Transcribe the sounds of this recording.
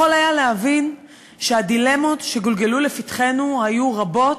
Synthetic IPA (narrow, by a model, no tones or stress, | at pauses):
olhajalehavin | ʃeadile̞mo̞tʃe̞ɡolɡelulefitχe̞nuhajuʁabo̞t